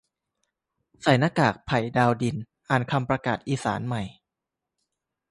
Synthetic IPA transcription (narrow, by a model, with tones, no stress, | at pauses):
sa˨˩jna˧kaː˨˩k̚pʰa˨˩jdaː˧wdi˧n | ʔaː˨˩nkʰa˧mpɾa˧kaː˨˩t̪̚ʔiː˧saː˩˦nma˨˩j